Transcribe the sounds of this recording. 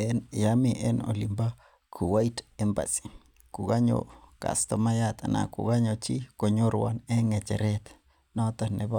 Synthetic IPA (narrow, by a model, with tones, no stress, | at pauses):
ɛn˨ja˦miʔɛ˦no̰˨li˨mba˦ | kʰu˨wa˦i˦tɛ˦mba̰˨si̥˨ | ku˨ɡa˦ɲo̰˨ka̰˨st̪ɔ˦ma˦jat̪ana̰˨kṵ˨ɡa˦ɲo˨t͡ʃi˦ko˨ɲo˦ɾwa̰˨nɛ˦ŋɛ˨t͡ʃɛ̰˨ɾɛ˦t̪ | nɔ˦t̪anɛ˨ba